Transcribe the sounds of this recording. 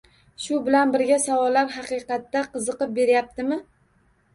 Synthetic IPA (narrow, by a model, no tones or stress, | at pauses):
ʃʊbɪlanbɪɾɡʲasawɒlːaɾɦɑqɨqɑt̪ːaqɨzɨqɨp̚be̞ɾjap̚t̪ɪmɪ